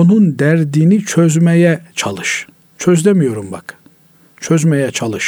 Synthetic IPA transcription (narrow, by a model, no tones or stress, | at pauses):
onund̪æɾd̪iːnit͡ʃʰøzmejɛt͡ʃʰalˠɯʃ | t͡ʃʰøzd̪emijo̞ɾumbak | t͡ʃʰøzmejɛt͡ʃʰalˠɯʃ